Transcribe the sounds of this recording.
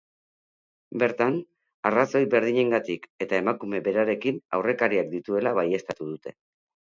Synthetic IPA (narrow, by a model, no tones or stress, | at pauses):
be̞ɾt̪an | araso̞jbe̞ɾð̞iɲe̞ŋɡat̪ike̞t̪ae̞makume̞be̞ɾaɾe̞kina̰wre̞kaɾiak̚d̪it̪ue̞laβaje̞st̪at̪uð̞ut̪e̞̥